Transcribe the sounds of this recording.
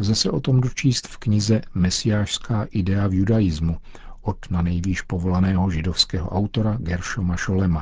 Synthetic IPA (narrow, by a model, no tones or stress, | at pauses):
zɛsɛʔo̞t̪o̞mdot͡ʃiːst̪fkɲɪzɛmɛsɪjaːʃskaːʔɪdɛavjudajɪzmu | ʔot̪nanɛjviːʃpo̞vo̞lanɛːɦo̞ʒɪdofskɛːɦoʔawt̪o̞ɾaɡɛɾʃomaʃolɛma